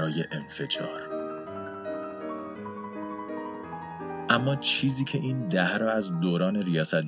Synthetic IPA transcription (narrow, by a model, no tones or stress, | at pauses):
ɒːjeʔenfe̞d͡ʒɒ̰ːɾ | ʔæmːɒːt͡ʃʰiːziːcʰe̞ʔiːnd̪æhɾɒːæzd̪oːɾɒːne̞ɾijɒːsæt̪̚